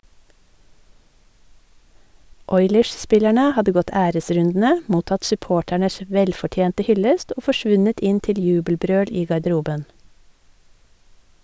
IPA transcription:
ˈɔʏləɹsˌspɪlæɳə ˈhɑdə ˈɡɔt ˈæːɾəˌsɾʉndn̩ə ˈmuːtɑt sʉˈpoːʈæɳəs ˈʋɛlfɔˌtjeːntə ˈhʏləst ˈoː fɔˈʃʋʉnət ˈɪn ˈtɪl ˈjʉːbəlˌbɾøːɽ ˈiː ɡɑɖəˈɾuːbən

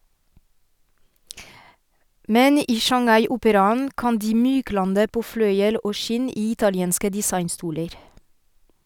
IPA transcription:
ˈmɛn ˈiː ʃɑŋˈɑɪ ˈʔʊpəɾɑnn̩ ˈkɑn ˈdiː ˈmyːˌklɑndə ˈpoː ˈflœʏəl ˈʔoː ˈʃɪn ˈiː ˈɪtɑlɪɛnskə dɪˈsɑɪnˌstuːləɾ

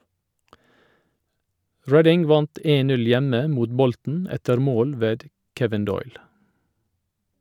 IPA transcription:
ˈɹɛdɪŋ ˈʋɑnt ˈeːn ˈtɪl ˈnʉl ˈjɛmə ˈmuːt ˈbɔltn̩ ˈɛtəɾ ˈmoːl ˈʋeːd ˈkɛʋɪn ˈdɔʏl

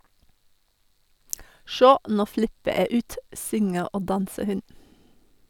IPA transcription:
ˈʃoː ˈnuː ˈflɪpə ˈeː ˈʉːt ˈsʏŋə ˈoː ˈdɑnsə ˈhʉn

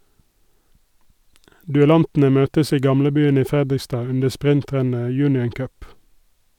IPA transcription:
dʉɛˈlɑntn̩ə ˈmøːtəs ˈiː ˈɡɑmləˌbyːən ˈiː ˈfɛdɪˌstɑː ˈʉndə ˈspʁɪnˌtʁɛnə ˈjʉːnɪən ˈkœp

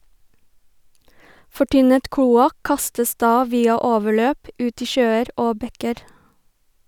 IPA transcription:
fɔˈʈʏnət ˈkluːɑk ˈkɑstəs ˈdɑː ˈʋiːɑ ˈoːʋəˌɭøːp ˈʉːt ˈiː ˈʃøːəɾ ˈoː ˈbɛkəɾ

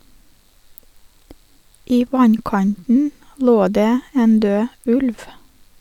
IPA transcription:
ˈiː ˈʋɑnˌkɑntn̩ ˈloː ˈdeː ˈeːn ˈdøː ˈʉlʋ

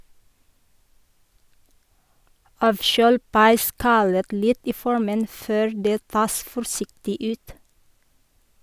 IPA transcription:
ˈɑːʋˌʃøːl pɑɪˈskɑlət ˈlɪt ˈiː ˈfɔɹmən ˈføːɾ ˈdeː ˈtɑːs fɔɾˈsɪktɪ ˈʉːt

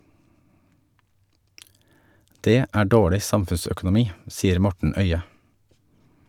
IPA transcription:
ˈdeː ˈæː ˈɖoːɭɪ ˈsɑmfʉnsœkʊnʊˌmiː ˈsiːəɾ ˈmɔʈɳ̩ ˈœʏə

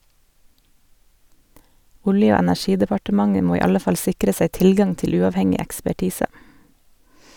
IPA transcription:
ˈʊljə ˈoː ɛnæˈʃiːdəpɑʈəˌmɑŋə ˈmoː ˈiː ˈɑlə ˈfɑl ˈsɪkɾə ˈsæɪ ˈtɪlˌɡɑŋ ˈtɪl ˈʉːɑʋˌhɛŋɪ ɛkspæˈʈiːsə

